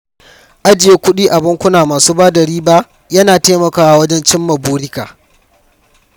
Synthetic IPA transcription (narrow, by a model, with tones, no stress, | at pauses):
ʔa˦d͡ʒɪ˨je˦kʷʊ˦ɗiː˦ʔa˨bɪ˦ŋkʷʊ˦naː˨maː˨suː˦baː˦dɐ˨ɽiː˦ba˦ʔ | jɐ˦naː˨teː˦mɐ˨kaː˨wa˨wɐ˦d͡ʒɛ˦nt͡ʃɪ˦mːɐ˨buː˦ɽɪ˦ka̰ː˨